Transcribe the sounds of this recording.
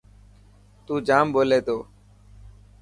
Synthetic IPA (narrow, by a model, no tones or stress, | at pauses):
t̪uːd͡ʒaːmboːleːt̪oː